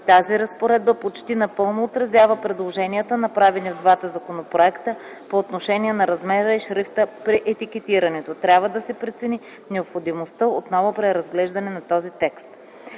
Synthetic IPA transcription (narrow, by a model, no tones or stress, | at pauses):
t̪aziɾɐspoɾɛd̪̚bəpot͡ʃt̪inɐpɤlˠnoːt̪ɾɐzjavəpɾɛd̪lˠoʒɛnijət̪ənɐpɾavɛnivd̪vat̪ɐzɐkonopɾoɛkt̪ə | poːt̪noʃɛniɛnɐɾɐzmɛɾəiʃɾift̪əpɾiʔɛt̪ikɛt̪iɾɐnɛt̪ot̪ɾʲjabvəd̪ɐsɛpɾɛt̪sɛni | nɛopxod̪imost̪əot̪nɔvopɾɛɾɐzɡlɛʒd̪ɐnɛnɐt̪ɔzit̪ɛkst̪